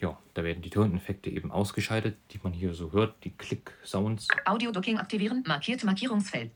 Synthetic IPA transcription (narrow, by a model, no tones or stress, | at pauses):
jaːd̥aːveːɐdn̩diːtʰɛːnɛfɛk̚tʰəʔḛːbm̩ʔa̰ʊsɡ̥əʃaɪtətd̥iːmanhiːɐzoːɦøːɐt̚d̥iːkʰl̥ɪkz̥aʊnsʔaʊdiodʊkɪŋʔa̰k̚tiviːʁənmaɐkʰiːɐtəmaɐkʰiːʁʊŋsfɛl